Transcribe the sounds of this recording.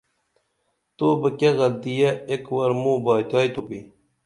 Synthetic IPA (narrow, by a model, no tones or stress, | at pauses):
t̪obəkeɣɐld̪ijɐekwɐɾmũːbaːt̪aːjt̪upi